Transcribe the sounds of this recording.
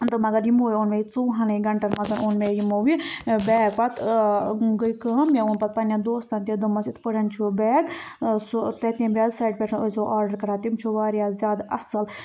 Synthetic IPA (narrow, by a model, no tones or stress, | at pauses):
d̪ɨmɐɡɐɾjimoːjiunmeit͡suːɦɐnɐiɡɐɳʈɐɾmɐt̪ɐnuːnmejimoːwibɛːɡ̚pɐt̪ | ɡəjkəːmjauːnpɐt̪̚pɐnjad̪oːst̪ɐnt̪ʲid̪umɐsit̪pəɽɐnt͡ʃʰubɛːɡsut̪ɐt̪ĩbɾʲjaːzsaːiɖ̚pʲeʈʰɐnɨsoʔaːɾɖɐɾkɐɾaːt̪imt͡ʃʰuʋaːɾjazjaːd̪ɐ̰sɐl